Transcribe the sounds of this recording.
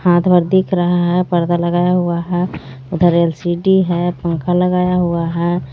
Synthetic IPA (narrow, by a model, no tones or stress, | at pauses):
haːt̪ʰbəɾd̪ʱikɾəɦaɦɛpəɾd̪aləɡaːjaɦuaɦɛ | ʊd̪ʱəɾelsiɖiɦɛpə̃ŋkʰaləɡaːjaɦuaɦɛ